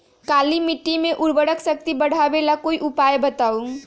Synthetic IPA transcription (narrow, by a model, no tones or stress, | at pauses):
kaːlimɪʈːimẽʔʊɾbəɽəksək̚t̪ibəɽ̤abelakoːiʔʊpaːjbət̪aːũ